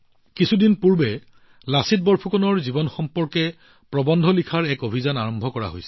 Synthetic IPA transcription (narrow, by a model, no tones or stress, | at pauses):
kisʰudinpuɹbɛ | lasit̚bɔɹpʰukɔnɔɹzibɔnxɔmpɔɹkɛ | pɹɔbɔndʱɔlikʰaɹɛkobʱizanaɹɔmbʱɔkɔɹa̰ɦo̰jsɛ̥